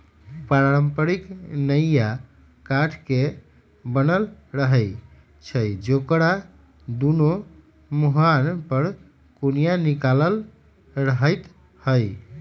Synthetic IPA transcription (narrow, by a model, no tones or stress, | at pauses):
paɾaɾəmpəɾiknəjja | kaʈʰke | bənəlɾəɦəɪ | t͡ʃʰəjd͡ʒokɾa | d̪uno | muɦanpəɾ | kunijanikaləl | ɾəɦəjt̪ | həj